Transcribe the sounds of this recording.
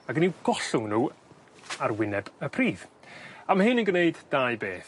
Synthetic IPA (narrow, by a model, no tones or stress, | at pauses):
aɡəniwɡ̥ɔɬʊŋnuː | arwɪnɛbəpʰriːv̥ | amhɨnənɡəneɨdd̥ajbeːθ